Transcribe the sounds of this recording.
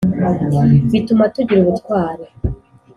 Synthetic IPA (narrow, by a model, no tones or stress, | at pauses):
βitumatuɟiɾuβutkwaːɾe